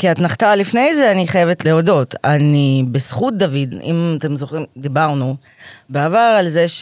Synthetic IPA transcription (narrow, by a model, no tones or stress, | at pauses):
kiatnaχt̪alifne̞jzeaniχajevetleodo̞tanibesχut̚d̪avid̪ḭmat̪e̞mzo̞χimd̪ibaʁnu | beavaʁalzeʃ